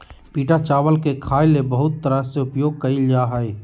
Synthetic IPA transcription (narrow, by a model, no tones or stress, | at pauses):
piːʈat͡ʃaːʋəlkekʰaːjlebəɦʊt̪ːəɾəseʊpjoːɡ̚kəid͡ʒaɦəj